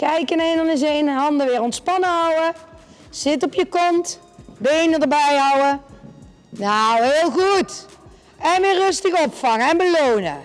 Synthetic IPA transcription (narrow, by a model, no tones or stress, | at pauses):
kɛjkənenənɪzejnɦɑndəʋɪːɾɔntspɑnəɦɑwə | z̥ɪt̬ɔpjəkɔnt | bejnədəɹbɛjɦʌwə | nawɦeːlˠɣut | ɛnʋɪːrːɵstəɣɔpfɑŋəɛnbəlownə̰